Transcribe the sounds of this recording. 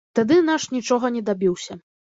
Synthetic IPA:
t̪ad̪ɨnaʂnʲit͡ʂɔɣɐnʲɛd̪abʲiwsʲɐ

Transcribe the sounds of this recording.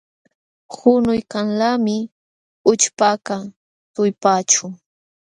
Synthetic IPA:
xʊnʊjkaŋlamɪ | ʊt͡ʃpaka | t̪ʊjpaːt͡ʃʊ

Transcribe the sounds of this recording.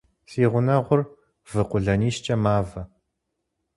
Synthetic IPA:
siːʁʷʊnɐʁʷʊr | v̥ɨqʷʊɮɐniːʃt͡ʃʼɐmaːvɐ

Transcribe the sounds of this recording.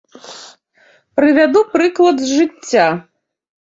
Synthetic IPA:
pɾɨvʲad̪upɾɨklˠɐd̪zʐɨt͡sʲːa

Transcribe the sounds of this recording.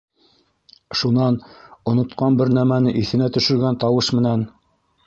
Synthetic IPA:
ʃunɑnŏnŏt̪qɑnbɘɾnæmænɘʔiθɘ̆næt̪ɵ̆ʃɵ̆ɾɡænt̪ɑwɤʃmɘ̆næn

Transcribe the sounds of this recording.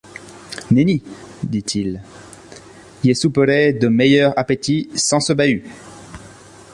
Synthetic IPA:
nenid̪it̪ʰil | ilɛsupəʁed̪əmejœʁapet̪isɑ̃səbay

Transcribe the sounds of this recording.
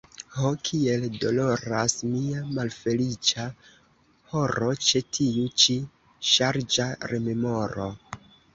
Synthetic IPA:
hokʰie̞ldo̞lo̞ɾasmiamalfe̞lit͡ʃa | ho̞ɾo̞t͡ʃe̞tʰiut͡ʃi | ʃaɾd͡ʒaɾeme̞mo̞ɾo̰

